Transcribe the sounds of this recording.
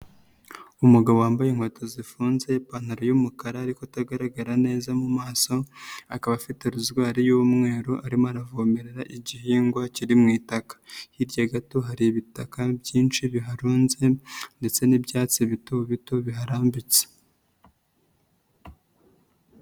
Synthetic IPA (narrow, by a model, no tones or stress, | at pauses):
umuɡaβowaːmbajeŋhotʰozifuːnze̞pan̥aɾojumukaɾaːɾikotaɡaɾaɡaɾane̞ːzamumaːso̞akaβafiteɾuzɡwaːɾijumŋe̞ːɾoʔaɾimoaɾavoːme̞ɾeɾaʔiɟiɦiːŋɡwaciɾimŋiːtakḁhiɾɟaɡato̞ɦaɾiβitakabjiːnt͡ʃiβiɦaɾuːnze̞nde̞t͡se̞nibjaːt͡siβitoβito̞βiɦaɾaːmbit͡se̥